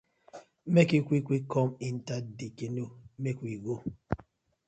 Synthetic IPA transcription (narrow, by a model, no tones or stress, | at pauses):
mekikʷikʷikʰɔmin̩tadikenomekʷiɡo